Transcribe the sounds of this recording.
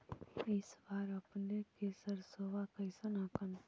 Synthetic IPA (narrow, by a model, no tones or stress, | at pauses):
ɪsbaːɾɐpnekesɐɾsowakɐɪsanakən